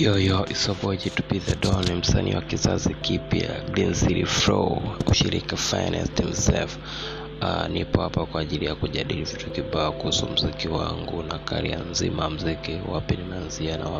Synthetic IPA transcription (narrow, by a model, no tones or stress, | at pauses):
ɔjɔʔisɔbɔd͡ʒitu̥piðadɔnim̩sanʔḭwakizazikipjaɡinziɾifɾɔuʃiɾikafajnɛ̰stimsɛlf | nipɔhapakwaːʄilijakuʄaɗilivitukibaɔkuhusum̩zikiwaŋɡunakaɾianzimam̩zikiwapinimɛanzianawa